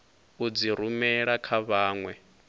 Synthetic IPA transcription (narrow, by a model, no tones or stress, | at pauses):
ud͡ziɾumɛɺakʰaβaːŋwɛ